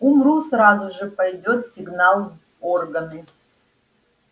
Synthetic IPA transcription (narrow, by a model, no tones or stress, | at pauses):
umrusrazʊʐɨpɐjdʲot̪sʲiɡnalˠ | orɡɐnɨ